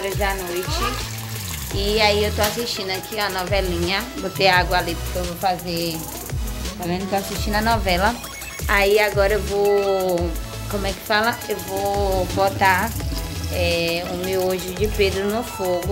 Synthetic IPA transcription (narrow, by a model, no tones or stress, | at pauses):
ɔɾɐzdanojt͡ʃɪ | ɪaiewt̪oasist͡ʃĩnd̪ʊakʰiɐnɔvɛlĩɲɐbot̪eaɡwɐalipʊɾkeewvofaze | falẽnd̪t̪oasiʃt͡ʃĩnɐnɔvɛlɐ | aiaɡɔɾɐewvo | kõmʊɛkɪ̥falɐewvobot̪a | ɛʊmewoʒʊd͡ʒɪped̪ɾʊnʊfoɡʊ